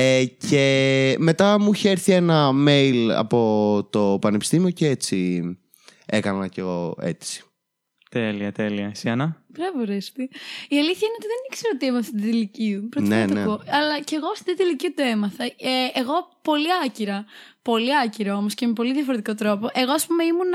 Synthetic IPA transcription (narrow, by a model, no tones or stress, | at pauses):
eceme̞t̪ɐmuiçeeɾθienɐme̞jlɐ̰po̞t̪o̞pɐnepi̥st̪imio̞ceet͡si | e̞kɐnɐceɣo̞e̞̰t͡si̥ | t̪eliɐt̪eliɐsiɐnɐpɾɐvoɾest̪iiɐliθçɐineot̪iðenikseɾot̪iemɐθt̪iiliciupɾot̪neɐnt̪ɐkoɐlɐce̞ɣoɐft̪it̪it̪iliciut̪ue̞mɐθɐeeɣo̞po̞liɐciɾɐpo̞liɐciɾɐo̞mosce̞mepo̞liðjɐfo̞ɾe̞t̪iko̞t̪ɾo̞po̞ʔe̞ɣo̞ɐspumeimun